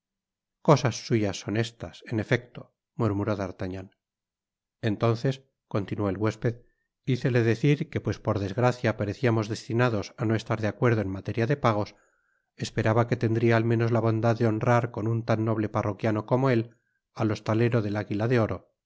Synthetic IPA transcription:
ko̞sasːuʝasːo̞ne̞st̪ase̞ne̞fe̞k̚t̪o̥ | muɾmuɾo̞ðaɾt̪aɲan | e̞nt̪o̞nθes | ko̞nt̪inuo̞elɣwe̞spe̞ð | iθe̞le̞ðe̞θiɾke̞pwe̞spo̞ɾðe̞zɣɾaθjapaɾeθiamo̞zðe̞st̪inaðo̞sano̞e̞st̪aɾðeakwe̞ɾð̞o̞enmat̪e̞ɾjaðe̞paɣ̞o̞s | e̞spe̞ɾaβake̞t̪e̞nd̪ɾiaːlmẽno̞zlaβ̞o̞nd̪aðːeo̞nraɾko̞nunt̪anːo̞β̞le̞parokjano̞ko̞mo̞e̞l | alo̞st̪ale̞ɾo̞ðe̞laɣilaðe̞o̞ɾo̞

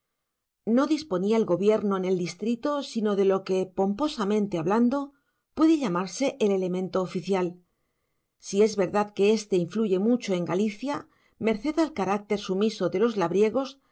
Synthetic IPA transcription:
no̞ðispo̞niaelɣo̞βje̞ɾno̞ene̞ld̪ist̪ɾit̪o̞sino̞ðe̞lo̞ke̞po̞mpo̞samẽ̞nt̪e̞aβland̪o̞ | pwe̞ðe̞ʎamaɾse̞ʔele̞le̞mẽ̞nt̪o̞ːfiθjal | sie̞zβe̞ɾðaðke̞e̞st̪e̞iɱfluʝe̞mut͡ʃo̞e̞ŋɡaliθja | me̞ɾθe̞ðalkaɾak̚t̪e̞ɾsumiso̞ðe̞lo̞zlaβɾje̞ɣ̞o̞s

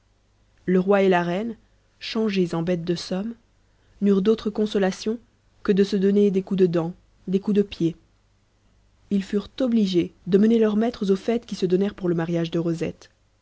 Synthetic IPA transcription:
ləʁwaelaʁɛn | ʃɑ̃ʒezɑ̃bɛt̪̚d̪əsɔm | nyʁd̪ot̪χəkɔ̃sɔlasjɔ̃ | kəd̪əsəd̪ɔned̪ekud̪əd̪ɑ̃ | d̪ekud̪əpje | ilfyʁt̪ɔbliʒed̪əmənelœʁmɛt̪χəzofɛt̪kʲisəd̪ɔnɛʁpuʁləmaʁjaʒd̪əʁozɛ̰t̪

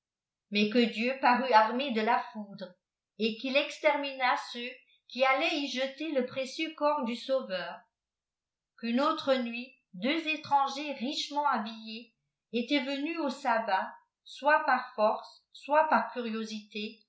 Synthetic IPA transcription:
mɛkəd̪jøpaʁyaʁmed̪əlafud̪ʁ | ekilɛkst̪ɛʁminasø | kʲialɛiʒət̪eləpχesjøkɔʁd̪ysovœːʁ | kynot̪χənɥi | d̪øzet̪χɑ̃ʒeʁiʃmɑ̃abijeː | t̪ɛvənyosaba | swapaʁfɔʁsː | wapaʁkʲyʁjozit̪e

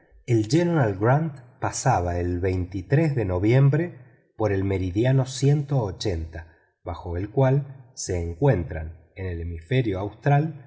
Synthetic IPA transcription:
eld͡ʒeneɾalɡɾant̪pasaβae̞lβejnt̪it̪ɾezðe̞no̞βje̞mbɾe̞ | po̞ɾe̞lme̞ɾiðjano̞sje̞nt̪o̞ːt͡ʃe̞nt̪a | βaxo̞elkwalse̞ːŋkwe̞nt̪ɾan | ene̞le̞mifeɾjo̞awst̪ɾal

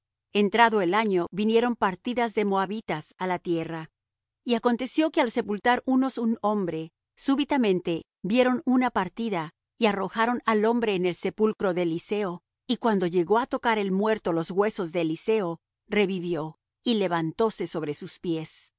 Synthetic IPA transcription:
e̞nt̪ɾaðoelaɲo̞βinje̞ɾo̞mpaɾt̪iðazðe̞mo̞aβit̪asalat̪je̞ra | iako̞nt̪e̞sjo̞kealse̞pult̪aɾuno̞suno̞mbɾe̞ | suβit̪amẽ̞nt̪e̞ | bje̞ɾo̞nunapaɾt̪iða | iaro̞xaɾo̞nalo̞mbɾe̞ːne̞lse̞pulkɾo̞ðeːlise̞o̞ | ikwand̪o̞ʝe̞ɣo̞at̪o̞kaɾe̞lmwe̞ɾt̪o̞lo̞zɣwe̞so̞zðeːlise̞o̞ | re̞βiβjo̞ | ile̞βant̪o̞se̞so̞βɾe̞suspje̞s

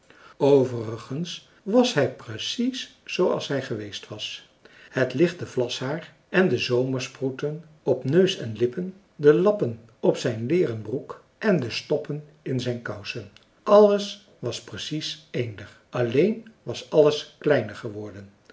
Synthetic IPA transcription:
owvərəχəns | ʋɑsɦɛjprəsisːowɑ̰lˠsɦɛjχəʋejstʋɑs | hətlɪχtəvlɑshaːɹ | ɛndəzowməɹsprutən | ɔpnøɥsɛnlɪpən | dəlɑpən | ɔpsɛjnlɪːrənbruk | ʔɛndəstɔpən | ɪnzɛjnkɑwsən | ʔɑlˠəs | ʋɑsprəsisejndəɹ | ʔɑlejnʋɑsɑləsklɛjnəɹχəʋɔɹdən

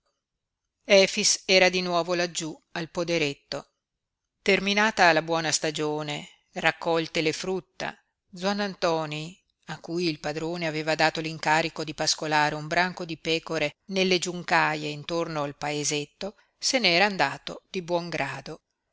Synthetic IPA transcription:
ɛːfisɛːɾad̪inwɔːvolad͡ʒːualpod̪eɾet̪ːo | t̪erminaːt̪aːlabwɔːnast̪ad͡ʒoːne | rakːɔlt̪elefɾut̪ːa̰ | d̪zwanːant̪ɔːni | akːuːjilpad̪ɾoːneaveːvad̪aːt̪oliŋkaːɾikod̪ipaskolaːɾeumbɾaŋkod̪ipɛːkoɾenelːed͡ʒuŋkaːjeint̪ornoalpaezet̪ːo | senɛːɾaːnd̪aːt̪od̪̥ibwɔŋɡɾaːd̪o

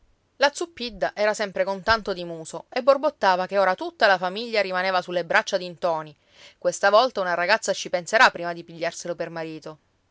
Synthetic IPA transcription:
lat̪supːid̪ːaʔɛːɾasɛmpɾekont̪ant̪od̪imuːsoebːorbot̪ːaːvakeoːɾat̪ut̪ːalafamiʎːaɾimaneːvasulːebɾat͡ʃːad̪int̪ɔːni | kwest̪avɔlt̪aunaɾaɡat̪sːat͡ʃipenseɾapːɾiːmad̪ipiʎːarselopermaɾiːt̪o

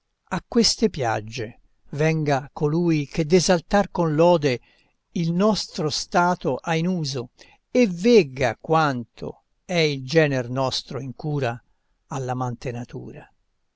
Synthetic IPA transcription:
akːwest̪epja̰d͡ʒːe | vɛŋɡakoluːjk̟ed̪ːezalt̪arkonlɔːd̪e | ilnɔst̪ɾost̪aːt̪oʔainuːzo | evɛɡakwant̪ʰo̰ | ɛild͡ʒɛːnɛrnɔst̪ɾoiŋkuːɾa | alːamant̪enat̪ṵːɾa

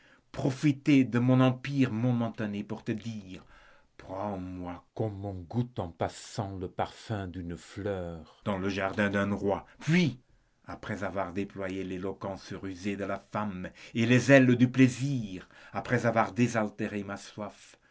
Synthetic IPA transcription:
pχɔfit̪ed̪əmɔ̃nɑ̃piʁmɔmɑ̃t̪anepuʁt̪əd̪iːʁ | pχɑ̃mwakɔ̃mɔ̃ɡut̪ɑ̃pasɑ̃ləpaʁfɛ̃d̪ynflœːʁd̪̥ɑ̃ləʒaʁd̪ɛ̃d̪ɛ̃ʁwapɥi | apχɛzavwaʁd̪eplwajelelɔkɑ̃səʁyzed̪əlafamelezɛld̪ypleziːʁ | apχɛzavwaʁd̪ezalt̪eʁemaswaf

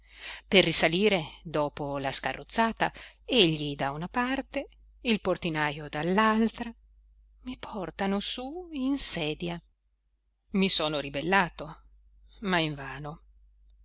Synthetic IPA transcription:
perːisaliːɾed̪ɔːpolaska̰rːʔot̪sːaːt̪a̰eʎːid̪aunapart̪e | ilport̪inajod̪alːalt̪ɾa | mipʰɔrt̪anosuinsɛːd̪ja | misoːnoɾibelːaːt̪o | maiɱvaːno

